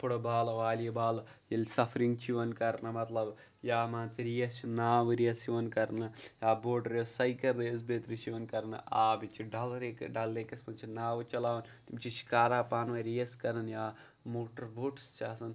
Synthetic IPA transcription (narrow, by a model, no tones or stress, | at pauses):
pʰuɽobaːlɐʋaːlijɐbaːlɐ | jilsɐfʰɐɾiŋɡt͡ʃʰiʋɐnkɐɾɐnɐmɐt̪lɐb | jaːmaːnt͡siɾijɐst͡ʃinaːʋɨɾijɐsiʋɐnkɐɾnɐjaːboːɖɐɾjosɐjkɐɾd̪ees̬beːt̪ɾit͡ʃiʋɐnkɐɾɐnɐ̰ʔaːbit͡ʃːiɖɐlɐɾekɖɐlekɐsmɐnt͡ʃʰinaːʋɐt͡ʃɐlaːʋɐn | imt͡ʃit͡ʃʰi̥kaːɾaːpaːnʋɐjɾijɐskɐɾɐnjaː | moːʈɐɾboːʈst͡ʃaːsɐn